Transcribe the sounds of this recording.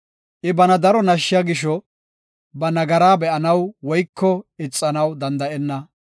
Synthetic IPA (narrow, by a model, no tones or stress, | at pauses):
ʔɪbɐnɐd̪ɐɾɔnɐʃːɪjɐɡɪʃɔ | bɐnɐɡɐɾaːbɛʔɐnɐwwɔjkːɔɪt͡sʼːɐnɐwd̪ɐnd̪ɐʔɛnːɐ